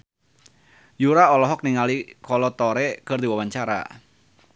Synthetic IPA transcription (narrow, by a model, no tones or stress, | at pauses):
juɾaɔlɔɦɔk̚niŋalikʰɔlɔt̪ɔɾekɨrd̪iwawaɲt͡ʃaɾa̰